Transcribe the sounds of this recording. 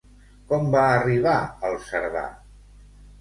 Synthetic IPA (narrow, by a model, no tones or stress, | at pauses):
kɔmbaəriβ̞aəlˠsəɾβa̰